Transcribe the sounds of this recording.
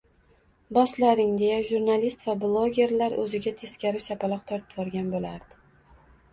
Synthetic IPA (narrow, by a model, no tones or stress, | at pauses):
bɒslaɾɪŋd̪e̞jaʒuɾnalist̪vablˠoɡʲe̞ɾlaɾʔɵ̰zɪɡʲat̪ʰe̞skʲaɾɪʃapʰalˠɒqt̪ʰɒɾt̪ɪ̥pbɒɾɡʲanbolaɾd̪̥ɪ